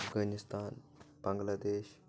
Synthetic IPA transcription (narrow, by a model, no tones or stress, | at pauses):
fɡanist̪aːnbaŋɡlaːd̪eːɕ